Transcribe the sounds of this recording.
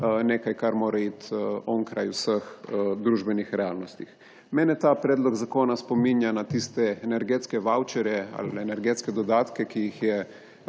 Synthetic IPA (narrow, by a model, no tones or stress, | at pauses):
neːkajkaɾmoːɾaiːt̪ɔŋkɾa̰jusəxd̪ɾuːʒbɛnixɾɛaːlnɔst̪ix | mɛːnɛt̪aːpɾɛːd̪lɔɡzakoːnaspominjanat̪ist̪ɛːnɛɾɡet̪skɛʋawt͡ʃɛɾjɛa̰lɛnɛɾɡeːt̪skɛd̪ɔd̪aːt̪kɛkijixjɛ